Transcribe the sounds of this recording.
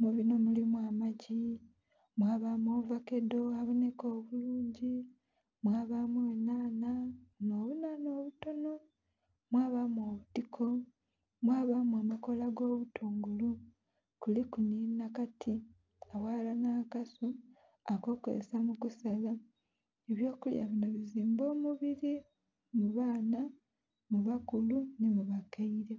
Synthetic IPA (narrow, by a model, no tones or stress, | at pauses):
muβino̞mulimwaːmaɟi | mwaːβamoːvake̞do̞aβone̞ko̞ːβuluːɲɟi | mwaːβamuweːnaːnanoːβunano̞ːβuto̞no̞ | mwaːβamo̞ːβutikʰo̞ | mwaːβamuamako̞laɡo̞ːβutʰuːŋɡulu | kulikuniːnakatʰi | awaːlanaːkasu | ako̞ko̰zḛsamukusala | eβjo̞ːkulja̰βinoβiziːmbo̞ːmuβiɾi | muβaːna | muβakulunimuβakaiɾe